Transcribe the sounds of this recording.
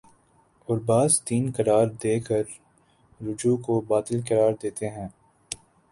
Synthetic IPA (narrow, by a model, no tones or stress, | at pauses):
ʊɾbaːzt̪iːnkɐɾaːɾd̪eːkəɾː | ʊd͡ʒuːkobaːt̪əlkɐɾaːɾd̪eːt̪eɦɛ̃ː